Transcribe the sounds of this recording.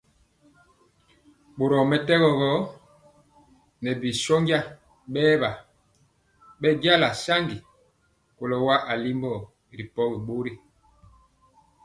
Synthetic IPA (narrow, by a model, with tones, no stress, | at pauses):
ɓo˨ɾɔ˨mɛ˨tɛ˦ɣɔ˨ɣɔ˨˦ | nɛ˨bi˨sɔ˦ŋɡa˦ | ɓɛː˦ba˨ | ɓɛ˦ɟja˦la˨sa˦ŋɡi˨ | ko˨lɔ˨wa˦ʔa˨li˦mbɔ˦˨ | ɾi˨pɔ˦ɣi˨ɓo˦ɾi˦